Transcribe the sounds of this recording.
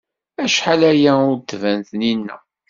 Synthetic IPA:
æʃħalæjæʊɾt̪ːvænθninːæ̰

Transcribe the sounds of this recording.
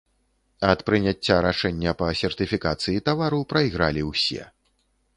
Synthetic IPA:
ɐt̪pɾɨnʲat͡sʲːaɾaʂɛnʲːɐpɐsʲɛrt̪ɨfʲikat̪sɨjit̪avaɾupɾɐiɣɾa̰lʲiwsʲɛ̰

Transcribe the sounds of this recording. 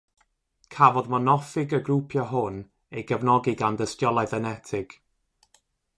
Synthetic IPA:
kʰavɔðmɔnɔfɪɡəɡrupʰjɔɦʊn | ejɡəvnɔɡɪɡandəstjɔlˠajðənɛtʰɪɡ̥

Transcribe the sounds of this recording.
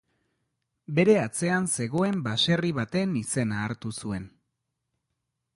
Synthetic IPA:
be̞ɾe̞at͡se̞anse̞ɣo̞e̞mbase̞riβ̞at̪e̞nise̞naːɾt̪usue̞n

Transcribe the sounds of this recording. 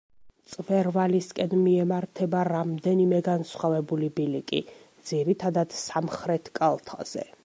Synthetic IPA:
t̪sʼvɛɾvaliskʼɛnmiɛmaɾt̪ʰɛbaɾamd̪ɛnimɛɡansχwavɛbulibilikʼid̪z̥iɾit̪ʰad̪ad̪̥samχɾɛt̪ʰkʼalˠt̪ʰa̰z̥ɛ̰

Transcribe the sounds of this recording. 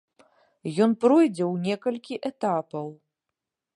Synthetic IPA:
jɔnpɾɔjd͡zʲɛwnʲɛkɐlʲkʲiʔɛt̪apɐw

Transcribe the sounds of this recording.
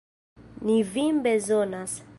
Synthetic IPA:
nivimbezonas

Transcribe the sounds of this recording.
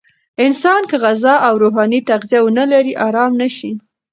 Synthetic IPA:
ɪnsɑnkəɣazɑʔawɾoɦɑnit̪aɣzijawənalaɾiʔɑɾɑmnaʃi

